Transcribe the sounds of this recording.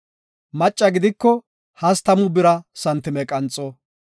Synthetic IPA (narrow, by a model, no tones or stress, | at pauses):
mɐt͡ʃʼːɐɡɪd̪ɪkːɔ | hɐst̪ɐmʊbɪɾɐsɐnt̪ːɪmɛkʼɐnt͡sʼɔ